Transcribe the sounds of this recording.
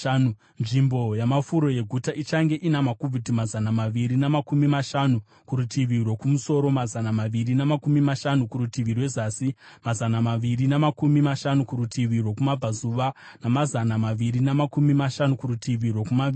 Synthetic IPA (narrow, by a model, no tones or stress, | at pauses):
u | nʐimbo̞jamafuɾo̞je̞ɡʱutaʔit͡ʃaŋɡe̞ʔinamakuvʱidimazanamaʋiɾinemakumimaʃanu | kuɾutʰiʋirwo̞kumuso̞ɾo̞mazanamaʋirinamakumimaʃanukuɾutiʋirwe̞zaːsi | mazanamaʋirinemakumimaʃanukuɾutiʋirwo̞kumab͡vʱazuʋa | namazanamaʋiɾinamakumimaʃanukuɾutʰiʋirwo̞kumai